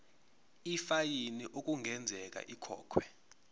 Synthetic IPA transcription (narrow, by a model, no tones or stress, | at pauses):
ifajiniʔok̬ʼuŋʱɛnd͡zʱɛk̬a̰ʔikʰɔ̰ːkʰwɛ